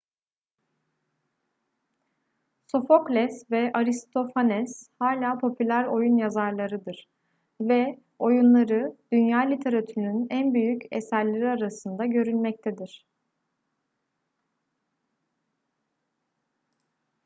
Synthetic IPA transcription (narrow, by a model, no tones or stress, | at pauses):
so̞fo̞klʲɛsvɛʔaɾist̪ʰo̞fanɛshaːlʲaːpʰo̞pʰylʲæɾo̞junjazaɾlˠaɾɯd̪ɯɾ̥ | vɛ | o̞junlˠaɾɯd̪̥ynjaːlʲit̪ʰe̞ɾat̪ʰynynænbyjycɛsæɾlʲeɾiaɾasɯnd̪aɟø̞ɾylʲmɛc̚t̪ʰed̪iɾ̥